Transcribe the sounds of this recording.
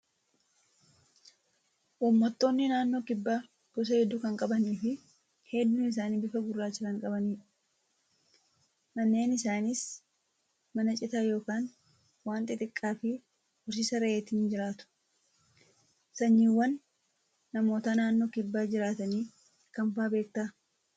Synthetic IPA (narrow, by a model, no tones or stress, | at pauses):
ʔʊmːɔt̪ːo̞ːnːɪnaːnːo̞ːkɪbːaː | kʊs̬ɐhɛd̪ːukɐŋkʼɐbɐniːfɪ | hɛd̪ːuːnɪs̬aːniːbɪfɐɡʊrːaːt͡ʃːɪɾɐŋkʼɐbɐniːᶑɐ | mɐnːe̞ːnɪsaːnɪs | mɐnɐt͡ʃʼɪt̪aːjo̞ːkaːn | waːnt̪ʼɪt̪ʼɪkʼːaːfɪ | hʊs̬ɪsɐɾɐʔeːt̪ɪːnd͡ʒɪɾaːt̪ʊ̥ | sɐɲːiːwːɐnː | ɐmo̞ːt̪ɐnaːnːo̞ːkɪbːaːd͡ʒɪɾaːt̪ɐniː | kɐmfaːbe̞ːk̚t̪aː